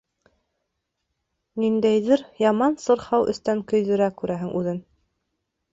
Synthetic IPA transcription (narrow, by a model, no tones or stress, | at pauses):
nind̪æjðɘɾjɑmɑnsɤ̆ɾhɑwʔɵ̰̆st̪æŋkɵ̆jðɵ̆ɾækʉɾʔæɦɘŋʔʉðɘn